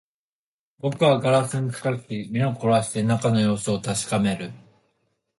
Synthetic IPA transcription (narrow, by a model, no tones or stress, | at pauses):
bo̞kɯ̟βaɡaɾasɨɲ̟it͡sɨ̥kak̪ʲimʲinokoɾaɕi̥t̪e̞nakano̞jo̞ːsoːt̪aɕi̥kame̞ɾɯ̟